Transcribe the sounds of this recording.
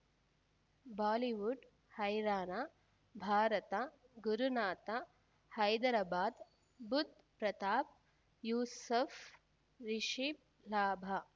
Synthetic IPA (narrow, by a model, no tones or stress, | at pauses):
baːliʋuɖ | hɐjɾaːna | bʱaːɾɐt̪ɐ | ɡuɾunaːt̪ɐ | hɐjd̪ɐɾɐbaːd̪ | bud̪̚ʱ | pɾɐt̪aːp̚ | juːsɐf | ɾiʃi | laːbʱɐ